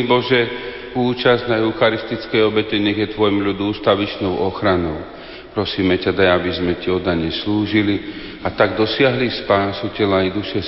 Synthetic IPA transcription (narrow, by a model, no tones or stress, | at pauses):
ibɔʒɛ | uːt͡ʃaznaɦuxaɾist̪it͡skɛjɔbɛcɛɲɛɣjɛt̪ʋɔjmʎud̪uːst̪aʋit͡ʃnɔʊʔɔxɾanɔʊ | pɾɔsiːmɛcad̪ajabizmɛciɔd̪aɲɛsluːʒili | at̪aɡd̪ɔsɪaɦlispaːsucɛlaid̪uʃɛ